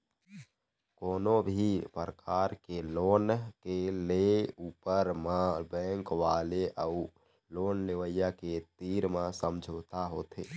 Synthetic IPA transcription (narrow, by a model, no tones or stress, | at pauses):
koːnobʱipəɾəkaɾkeloːnkeleuːpəɾmabɛ̃ŋkʋaleʔəu | loːnleʋəjaket̪iɾmãsəmd͡ʒʱoːt̪aɦoːt̪ʰe